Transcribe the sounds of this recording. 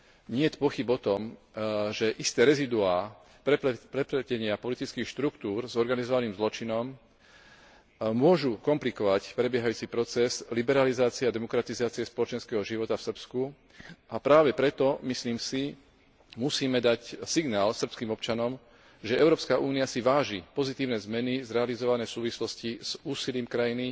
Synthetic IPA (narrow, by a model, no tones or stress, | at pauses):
ɲɪɛt̪pɔxibɔt̪ɔmʒɛʔist̪ɛːɾɛzid̪uaː | pɾɛpɾɛpɾɛcɛɲɪapɔlit̪it͡skiːxʃt̪ɾukt̪uːɾzɔɾɡanizɔʋaniːmzlɔt͡ʃinɔm | mʊɔʒukɔmplikɔʋacpɾɛbɪjɛɦajuːt͡sipɾɔt͡sɛzlibɛɾalizaːt͡siɛad̪ɛmɔkɾat̪izaːt͡siɪɛspɔlɔt͡ʃɛnskɛːɦɔʒiʋɔt̪afsrpsku | ʔapɾaːʋɛpɾɛt̪ɔmisliːmsi | musiːmɛd̪acsiɡnaːlsr̩pskiːmɔpt͡ʃanɔm | ʒɛɛʊɾɔːpskaʔuːniasiʋaːʒipɔzit̪iːʊnɛzmɛnizɾɛalizɔʋanɛːfsuːʋislɔsciz̥uːsiliːmkɾajini